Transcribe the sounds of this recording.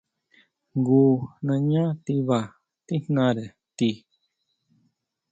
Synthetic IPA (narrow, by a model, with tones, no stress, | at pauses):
ŋɡu˧˨nã˧ɲã˦t̪i˧βa˨ | t̪i˦n̥nã˧ɾe˨ | t̪i˧